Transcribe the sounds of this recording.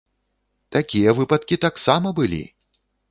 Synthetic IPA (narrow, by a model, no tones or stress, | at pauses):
t̪akʲijɐvɨpɐt̪̚kʲit̪aksamɐbɨlʲḭ